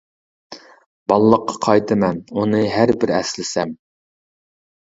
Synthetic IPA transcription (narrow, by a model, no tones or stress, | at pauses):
bɑlˠlˠːəqʰːɑ̥qʰɑjt̪ʰɨmɛnunɨɦæɾbɪɾɛ̰slɪsɛm